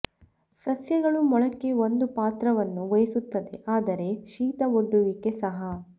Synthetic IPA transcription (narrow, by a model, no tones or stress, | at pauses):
sɐsjɐɡɐɭumɔɭɐkːe̞o̞nd̪upaːt̪ɾɐʋɐnːuʋɐjɐsut̪ːɐd̪e̞̰ʔaːd̪ɐɾe̞ʃiːt̪ɐoɖːuʋike̞sɐɦɐ